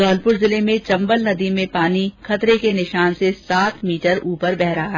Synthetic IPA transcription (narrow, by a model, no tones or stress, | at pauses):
ɡɔːlpʊɾzɪlemẽt͡ʃɐ̃mbəlnɐd̪imẽpaːnixʰɐt̪ɾekenɪʃaːnsesaːt̪miːʈəɾuːpəɾbɛɦɾaɦaː